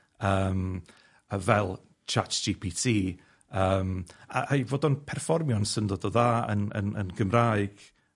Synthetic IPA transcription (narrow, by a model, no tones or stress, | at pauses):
əːm | əvɛlˠ | t͡ʃʰatd͡ʒipʰitʰiː | əːma̰ʔajvoːdɔnpʰɛrfɔrmjɔnsəndɔdɔðaːə̰nə̰nə̰nɡəmrajɡ̥